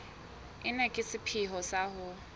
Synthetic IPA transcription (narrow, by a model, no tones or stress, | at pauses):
ɪnɛkʼɪsɪpʰiɦɔsahʊ